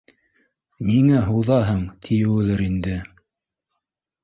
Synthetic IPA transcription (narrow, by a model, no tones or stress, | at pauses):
niŋæɦuwðɑɦɤɴt̪ʰijɘwʉðɘɾind̪ɘ